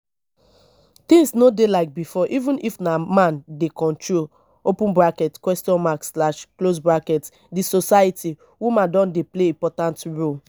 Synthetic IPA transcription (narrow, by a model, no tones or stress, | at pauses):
t̪ĩŋsnodelaɪk̚bifɔʔivũnʔifnamãndekɔ̃ntɹol | opũnbɹakɛtkwɛstɔ̃nmaksslaʃklosbɹakɛt | disosajitʰi | wumãdɔ̃ndepleĩmpɔtãntɹol